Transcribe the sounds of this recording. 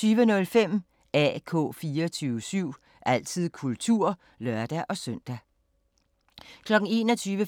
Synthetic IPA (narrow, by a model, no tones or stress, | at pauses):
yːʋənɔ̽lfem̰ | ɛ̰kʰɔ̰̽ːfiːɐt͡sʰyːʊəsyʊ̰ | ʔæl̰t͡sʰið̰ˠkʰult͡sʰuɐ̰ | lɶɐ̰d̥æʔɒ̽sœn̰d̥æ | kʰlɒ̽ɡ̥ŋ̩e̝ːnɒt͡sʰyːʋə